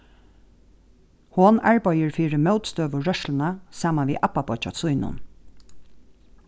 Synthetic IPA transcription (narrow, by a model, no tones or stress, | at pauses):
hɔnaɹpɑjəɹfiːɹəmœwt̪st̪øːʋʊɹœʃlənasaːmanʋḭːʔapːapɔt͡ʃa̰sʊjnʊ̰n